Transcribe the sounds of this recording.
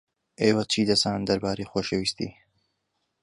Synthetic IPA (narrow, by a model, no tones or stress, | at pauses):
ʔeːwɐt͡ʃʰiːd̪ɐzaːnnd̪ɐɾbaːɾejxoːʃewist̪ḭː